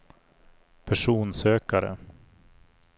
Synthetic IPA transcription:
pʰæʂuːnsøːkaɾə̰

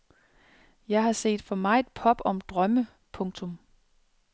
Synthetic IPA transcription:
jɑ̈ɪɦɑ̈se̝̰ːd̥fɒ̽mɑ̈ɪe̝d̥pʰɒ̽b̥ɒ̽md̥ʁɶmə | pʰɔ̽ŋt͡sʰɔ̽m

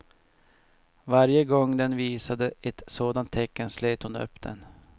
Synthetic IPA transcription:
vaɾjəɡɔŋːd̪ɛnviːsad̪əɛt̪soːd̪ant̪ʰːɛkːənsleːt̪hʊnɵ̰pːd̪̥ɛ̰n

